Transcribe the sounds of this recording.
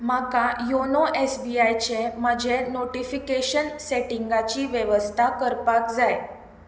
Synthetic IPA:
m̤akajonoʔesbiajt͡ɕeməd͡ʑʱenoʈifikeɕənseʈiŋɡat͡ɕiːʋjeʋəst̪ʰakəɾpakd͡zaj

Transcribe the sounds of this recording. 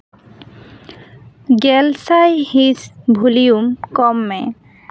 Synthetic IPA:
ɡɛlsajhisbʱuliumkɔmːɛ

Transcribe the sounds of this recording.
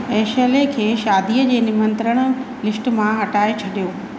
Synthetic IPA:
eːʃəlekʰeːʃaːd̪iːəd͡ʑeːnɪmə̃nt̪ɾəɽ̃ə̆ | lɪsʈ̆mãɦɐʈaːet͡ɕʰɐɗijoː

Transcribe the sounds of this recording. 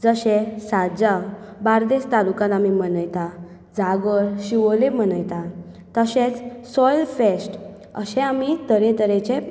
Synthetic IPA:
d͡zəɕẽsad͡ʑabaɾd̪est̪alukãt̪amim̤ənəjt̪a | d͡zaɡəɾɕiʋolem̤ənəjt̪a | t̪əɕẽt͡ssɔjlfesʈ | ə̰ɕɛ̃amit̪əɾẽt̪əɾẽt͡ɕe

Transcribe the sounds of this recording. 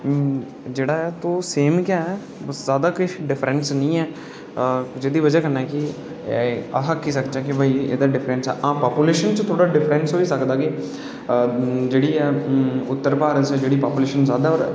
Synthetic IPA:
d͡ʒeːɽaːɛːt̪oːseːmkaːɛ | zaːd̪aːkʊʃɖɪpʰɾɛnsnəĩːɛː | d͡ʒeːd̪iːʋəd͡ʒaːkənːaːkɪ | ə̰ɦəkʰːiːsəkd͡ʒaːkɪbʱaːiːḛːd̪aːɖɪpʰɾɛ̃nsɛ̰ːʔãːpaːpuːleːʃənt͡ʃt̪ʰoːɽaːɖɪpʰɾɛ̃nsoːiːsəkd̪aːkɪ | d͡ʒeːɽiːɛːʊt̪ːəɾpaːɾəsd͡ʒeːɽiːpaːpuːleːʃənzaːd̪aːɔːɾ

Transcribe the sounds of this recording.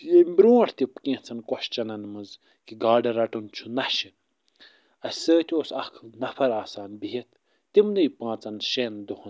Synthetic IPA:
jembɾũːɐʈʰt̪ipkĩht͡sʰɐnkɔʃt͡ʃɐnɐnmɐz | kiɡaːɖɐɾɐʈunt͡ʃʰunɐʃi | ɐsʲsəːt̪ʲoːsɐkʰnɐfʰɐɾaːsaːnbiɦit̪ʰ | t̪imnɨjipãːt͡sɐnʃeːnd̪uhun

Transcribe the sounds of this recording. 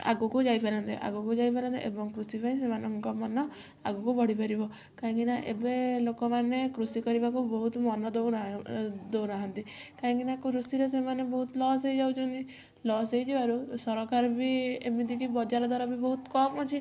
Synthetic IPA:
a̰ɡukud͡ʒajpaɾɔnt̪ḛʔa̰ɡukud͡ʒajpaɾɔnt̪ḛʔebɔŋkɾusipaĩsemanɔŋkɔmɔnɔ | a̰ɡukubɔɽ̤ipaɾibɔ | kaɦɔ̃ŋkinaʔḛbelokɔmanekɾusikɔɾibakubɔɦut̪mɔnɔd̪ownd̪ewnaɦant̪ikaɦɔ̃ŋkinakuɾusiɾes̬emanebɔɦut̪lɔs̬ejd͡ʒawt͡ʃʰɔnt̪i | lɔsejd͡ʒibaɾusɔɾɔkaɾbʱiḛmid̪ikibɔd͡ʒaɾɔd̪ʱwaɾɔbibɔɦut̪kɔpɔt͡ʃʰi

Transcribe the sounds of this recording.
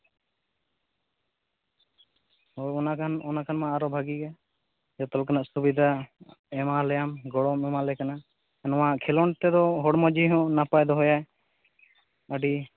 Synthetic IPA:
ɔɔnakʰanɔnakʰanmãːɾɔbʱaɡiɡa | d͡ʒɔt̪ɔlkanaʔsubid̪ʱaɛmalɛjamɡɔɽɔmɛmalɛkana | ɛnɔ̃aʔkʰɛlɔɳt̪ɛd̪ɔɦɔɽmɔd͡ʒiɦɔ̃napajd̪ɔɦɔjaɛ | əɖi

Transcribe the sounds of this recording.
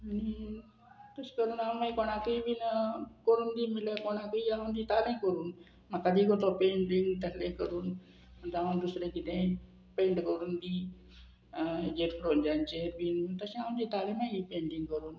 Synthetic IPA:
añi | t̪əskəɾuːnamaikoɽ̃akəiʋinkəɾuːnd̪iːmiləkoɽ̃akəiaũnd̪iːt̪alẽŋkəɾuːn | makːad̪iːɡot̪opeɳɖiŋɡt̪əslẽkəɾuːn | əd̪aʋənd̪usɾekit̪ẽ | pẽɳʈkəɾuːnd̪i | d͡ʑet̪fɾoɲd͡ʑant͡ɕeʋint̪əɕĩaũnd̪iːt̪alemaipẽɳɖiŋɡkəɾuːn

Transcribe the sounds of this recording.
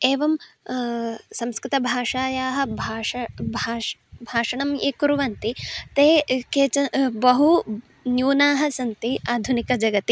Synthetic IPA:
eːʋɐm | sɐmskɾɪt̪ɐbʱaːʂaːjaːɦɐ̆bʱaːɐbʱaːbʱaːʂɐɳɐmeːkuɾuʋɐnt̪it̪eːkeːt͡ʃɐbɐɦu | njuːnaːɦɐsɐnt̪iaːd̪ʱunikɐd͡ʒɐɡɐt̪i

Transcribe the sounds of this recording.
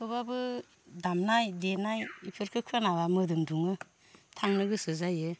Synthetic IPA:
kʰɯbabɯ | damnajdenajipʰɯɾkʰɯkʰanaβamɯdɯmduŋɯ | tʰaŋnɯɡɯsɯzajɯ

